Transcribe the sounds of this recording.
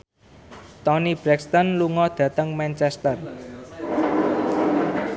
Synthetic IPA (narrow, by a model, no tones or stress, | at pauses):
t̪ɔnib̥ɾɛkst̪ənluŋɔd̪̥ä̤t̪əŋmɛnt͡ʃɛst̪ər